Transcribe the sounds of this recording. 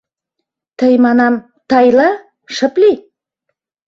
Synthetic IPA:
t̪ʰəjmɑnɑm | t̪ʰɑjlˠɑ | ʃə̆pli

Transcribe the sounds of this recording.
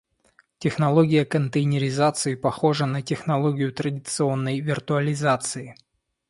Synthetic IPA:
tʲɪxnɐlˠoɡʲɪjəkənt̪əjnʲɪɾʲɪzat̪sɨɪpɐxo̞ʐənətʲɪxnɐlˠoɡʲɪjʊt̪ɾədʲɪt̪sɨo̞nːəjvʲɪrt̪ʊɐlʲɪzat̪sɨɪ

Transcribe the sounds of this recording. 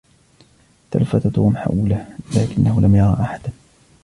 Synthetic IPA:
t̪a̰lafːat̪at̪uːmħa̰ʔuːlaːlaːkɪnːahʊlʔamjɑɾˤɑ̰ːʔaħad̪a

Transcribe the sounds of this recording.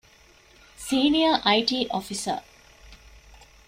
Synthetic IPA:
siːnijəʔɐiʈiːʔofisə̰

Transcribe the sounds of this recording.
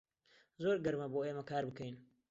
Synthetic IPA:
zoːɾɡɐɾmɐboːeːmɐkaːɾbɨkɐjn

